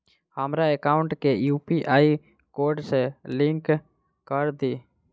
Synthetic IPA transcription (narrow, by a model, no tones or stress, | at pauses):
həmɾaekaːʊ̃ɳʈkejuːpiʔaːi | koːɾɖselɪ̃ŋk | kəɾd̪iː